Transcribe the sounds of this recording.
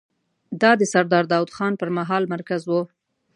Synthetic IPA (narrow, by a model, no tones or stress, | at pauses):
d̪ɑd̪əsaɾd̪ɑɾd̪ɑwd̪xɑnpəɾmaɦɑlmaɾkazwu